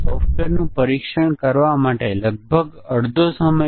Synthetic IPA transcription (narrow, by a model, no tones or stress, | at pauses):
sɔfʈeɾnũpəɾikʃəɽ̃kəɾʋamaʈeləɡ̚bʱəɡəɽd̪ʱosəmə